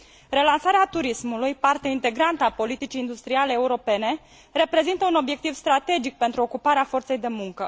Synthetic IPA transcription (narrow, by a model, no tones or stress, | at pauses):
ɾe̞lansaɾeat̪uɾismulujpart̪eeint̪e̞ɡɾant̪əapo̞lit̪it͡ʃiːnd̪ust̪ɾiale̞ːuɾo̞pe̞ne̞ | re̞pɾe̞zint̪əuno̞bje̞k̚t̪ivst̪ɾat̪e̞d͡ʒik̚pe̞nt̪ɾuo̞kupaɾeafo̞rt̪se̞jd̪e̞muŋkə